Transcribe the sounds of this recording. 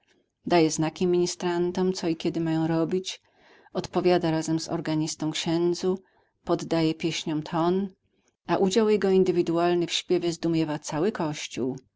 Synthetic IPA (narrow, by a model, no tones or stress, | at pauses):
d̪ajɛznakʲimʲiɲist̪ɾant̪ɔmt̪sɔikʲɛd̪ɘmajɔ̃w̃ɾɔbʲit͡ɕ | ɔt̪pɔvʲjad̪aɾazɛmzɔ̰ɾɡaɲist̪ɔ̃w̃kɕɛnd̪zu | pɔd̪ːajɛpʲjɛɕɲɔ̃w̃t̪ʰɔn | aʔud͡ʑawjɛɡɔind̪ɘvʲid̪ualnɘfɕpʲjɛvʲjɛzd̪umʲjɛvat̪sawɘkɔɕt͡ɕṵw